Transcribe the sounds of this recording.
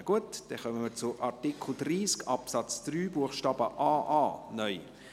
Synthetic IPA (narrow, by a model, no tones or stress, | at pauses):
ɡ̥uətd̥ɛχœməməɾt͡sʊʔɑɾtikʰl̩driːskɑpsɑt͡sd̪̥ryːbuəχʃtɑːbəʔaːʔaːnœʏ